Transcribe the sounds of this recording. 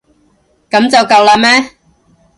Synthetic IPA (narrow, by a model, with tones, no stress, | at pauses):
kɐ˨˥mt͡sɐ˨wkɐ˨wlaː˧mɛ˥